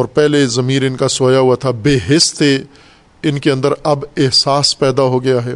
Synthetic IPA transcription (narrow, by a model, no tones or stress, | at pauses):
ɔːɾpɛɦlezɐmiːɾɪnkasoːjaɦuat̪ʰabeːɦɪst̪e | ɪnkeɐ̃nd̪əɾɐbɪɦsaːspɛːd̪aɦoɡɐjaɦɛː